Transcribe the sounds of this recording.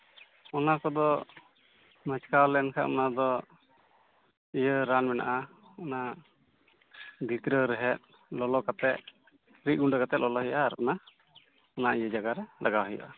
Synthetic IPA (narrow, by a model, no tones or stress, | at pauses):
ɔnakɔd̪ɔ | mət͡ʃkawlɛnkʰa̰ʔɔnad̪ɔ | ijəɾanmɛna̰ʔa | ɔna | b̪ʱit̪ɾəɾɛɦɛt̪̚ | lɔlɔkat̪ɛt̪̚ | ɾit̪̚ˀɡuɳɖəkat̪ɛt̪̚lʔɔlɔɦɔjaʔaːɾɔna | ɔnaʔijəd͡ʒaɡaɾɛlaɡawɦɔja̰ʔa